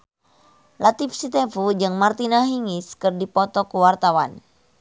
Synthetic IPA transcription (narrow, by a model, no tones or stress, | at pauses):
lat̪ifsit̪efud͡ʒɨŋmart̪inaɦiŋiskɨrdipɔt̪ɔkuwart̪awan